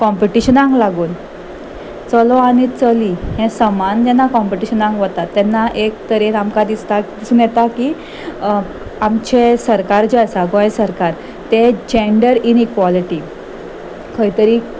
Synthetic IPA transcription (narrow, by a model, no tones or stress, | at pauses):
kɔmpiʈiɕənãŋɡlaɡuːn | t͡səlɔañit͡səliɦɛ̃səmand͡ʑɛnːakɔ̃mpiʈiɕənãŋɡʋət̪at̪ːɛnːaʔekt̪əɾet̪amkad̪ist̪ad̪isuːnjɛt̪aki | amt͡ɕesəɾkaɾd͡ʑiasaɡɔjsəɾkaɾ | t̪ed͡ʑeɳɖəɾinikʋɔliʈi | kʰəit̪əɾiː